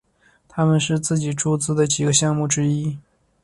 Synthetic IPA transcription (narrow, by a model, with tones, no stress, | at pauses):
t̪ʰa˥mə˨nʂɻ̩˥˧t͡sɹ̩˥˩t͡ɕi˨˩ʈ͡ʂu˥t͡sɹ̩˥d̪ə˨t͡ɕi˨˩ɡə˧˦ɕjɑ˥˧ŋmu˥˩ʈ͡ʂɻ̩˥i˥